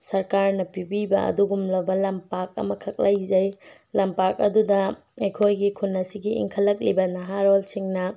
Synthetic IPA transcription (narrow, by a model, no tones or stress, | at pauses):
sɐɾkaɾnɐpibibɐ̰ɐ̰duɡumlɐbɐlɐmpak̚ɐ̰mɐkʰɐk̚lɐjzɐj | lɐmpak̚ɐ̰dudɐ | ejkʰojɡikʰunːɐsiɡiʔḭŋkʰɐlːɐk̬̚libɐnɐɦaɾolsiŋnɐ